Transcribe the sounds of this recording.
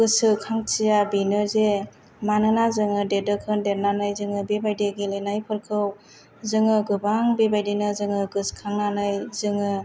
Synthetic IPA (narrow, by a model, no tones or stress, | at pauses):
ɡɯsɯkʰaŋt͡ʃijabinɯze | manɯnazɯŋɯdedɯkʰɯndeɾnanɯjzɯŋɯbibajdeɡilenajpʰɯɾkʰɯw | zɯŋɯɡɯbaŋbibajdinɯzɯŋɯɡɯskʰaŋnanɯjzɯŋɯ